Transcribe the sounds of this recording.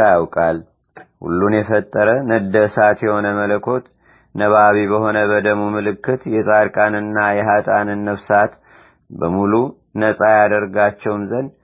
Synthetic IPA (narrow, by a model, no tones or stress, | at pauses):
jawkʼal | hṵlːunjɛfət̪ʼːəɾənəd̪əsat̪jɛho̞nəmələkʰo̞t̪ | nəβaβiβəho̞nəβəd̪əmumɨlɨkːɨt̪jɛsʼaɾkʼanɨnːajɛɦat̪ʼanɨnːəfsat̪ | bəmulu | nəsʼajad̪əɾɡat͡ʃːɛwnzən